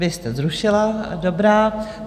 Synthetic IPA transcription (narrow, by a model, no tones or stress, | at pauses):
vɪst̪ɛzɾuʃɪladobɾaː